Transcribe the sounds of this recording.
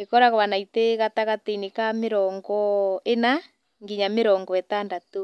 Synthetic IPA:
ekɔɾaɣɔβanaiteɣataɣateinekameɾɔŋɡɔena | ŋɡiɲameɾɔːŋɡɔɛtandato

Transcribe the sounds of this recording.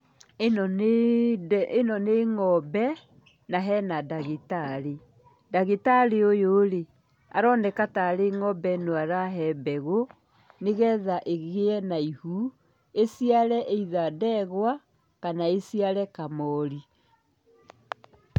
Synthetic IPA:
en | enɔneŋɔbɛ | naɦɛnadaɣetaɾe | daɣetaɾeojoɾe | a̰ɾɔːnɛkataɾeŋɔbɛnoaɾaɦɛbɛɣo | neɣɛðaʔeɣeɛnaihu | esiaɾɛʔeiðadɛɣwa | kanaesiaɾɛkamɔɾi

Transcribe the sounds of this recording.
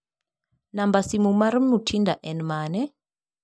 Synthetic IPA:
nambasimumaɾim̩nutʰindaʔɛnmaːnɛ

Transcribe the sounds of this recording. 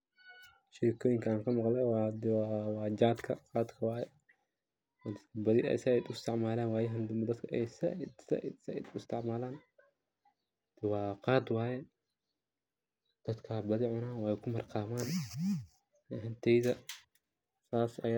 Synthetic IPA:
ʃɪɾkʰɔːjɪŋkʰɐaːŋkʰɐmɐqlɛwaːd̪wwɑːd͡ʒaːd̪kʰɐqɑːd̪kʰɐwaːjɛ | d̪ɐkʰɐbɐðɪɛ̰sɛɛd̪ʊɪst̪ʰɪʕmaːlaːnwaːjɐɦɐnd̪ɐd̪kʰɐʔɛjsɐ̰sɐ̰sd̪ʊɪst̪ʰɪʕmaːlaːn | d̪̥ɪwɑːqɑːd̪wɑːjɛ | d̪̥ɐd̪kʰɐbɐðɪʕʊnaːwaːɛkʰʊmɐrqɑːmaːn | ɦɐnt̪ʰɛjðɐ | saːsɐ̰ja

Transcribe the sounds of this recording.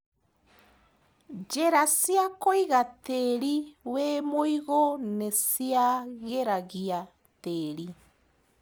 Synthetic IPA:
d͡ʒɛɾasiakoiɣatɛɾiwɛmoiɣɔnɛsiaɣeɾaɣia | teɾi

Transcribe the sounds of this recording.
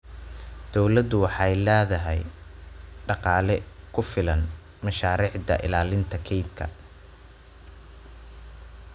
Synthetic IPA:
d̪̥ɔwlɐd̪ʊwɑħɑjlɛːðɐɦɛj | ɖɑqɑːlɛkʰʊfɪlɐn | mɐʃaːɾiːʕd̪ɐ̰ʔɪ̰laːlɪnt̪ʰɐkʰɛjt̪kʰɐ̰

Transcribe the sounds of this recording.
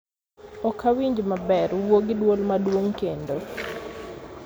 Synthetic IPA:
ɔkʰawiɲd͡ʒmabɛɾwoɡɪdwolmadwoŋkendo

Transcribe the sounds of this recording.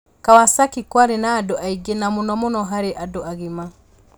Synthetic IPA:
kawasakikwaɾenaːdoʔaiɡenamonɔmonɔɦaɾeʔadoaɣima

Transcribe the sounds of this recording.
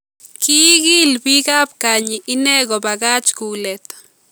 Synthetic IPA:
kiɣilbiɣap̚kaɲiʔineɣobaɣat͡ʃkulet̪

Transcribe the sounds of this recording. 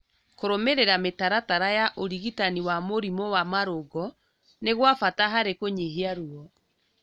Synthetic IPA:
koɾomeɾeɾametaɾataɾajaʔoɾiɣitaniwamoɾimɔwamaɾoɡɔ | neɣwafataɦaɾekoɲeɦeaɾuɔ

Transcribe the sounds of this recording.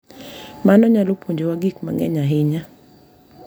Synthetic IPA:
manɔɲalopʰoɲd͡ʒewaɡikma̰ŋɛ̰ɲaɦɪɲa

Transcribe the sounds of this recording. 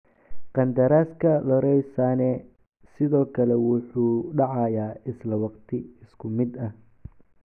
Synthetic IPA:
qɑnd̪ɐɾaːskʰɐlɔɾɛjsanɛː | sɪðɔːkʰɐlɛwʊħuːɖɑʕɑjaːɪslɐwɑqt̪ʰɪɪskʰʊmɪd̪ɐh

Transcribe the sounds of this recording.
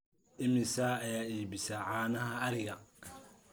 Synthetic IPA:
ʔɪmɪsaːjaːiːbɪsaʕaːnɐɦɐːɾɪɣɐ

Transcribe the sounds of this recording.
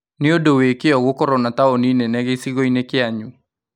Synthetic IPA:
nɪodowekeɔɣokɔɾɔnataoninenɛɣesiɣoinekɪaɲu

